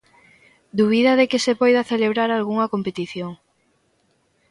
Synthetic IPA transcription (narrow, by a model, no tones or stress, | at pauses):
d̪uβ̞iðɐðekɪsepɔjðɐθeleβɾaɾalɣuŋɐkompet̪iθjoŋ